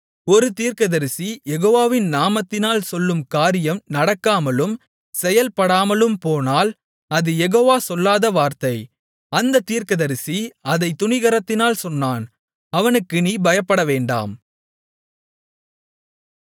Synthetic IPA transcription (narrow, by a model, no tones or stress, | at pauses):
ɔɾɯt̪iːɾkɐðɐɾɪsijɛɣoːʋaːʋɪnnaːmɐt̪ːɪnaːlsɔlːɯmkaːɾɪjɐmnɐɽɐkːaːmɐlɯm | sɛjɐlpɐɽaːmɐlɯmpoːnaːl | ɐðɯjɛɣoːʋaːsɔlːaːðɐʋaːɾt̪ɐɪ | ɐnd̪ɐt̪ːiːɾkɐðɐɾɪsiɐðɐɪt̪ːʊɳɪɣɐɾɐt̪ːɪnaːlsɔnːaːn | ɐʋɐnɯkːɯniːbɐjɐpːɐɽɐʋeːɳɖa̰ːm